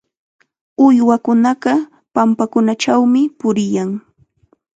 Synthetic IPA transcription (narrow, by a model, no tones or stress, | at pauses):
ʊjwakʊnɑɢɑ | pampakʊnat͡ʃawmɪpʊɾɪjaŋ